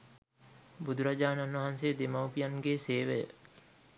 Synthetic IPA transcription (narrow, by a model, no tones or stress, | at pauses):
bud̪ʱuɾad͡ʒaːnanʋɐɦansed̪emɐwpijanɡeːseːʋəjə̰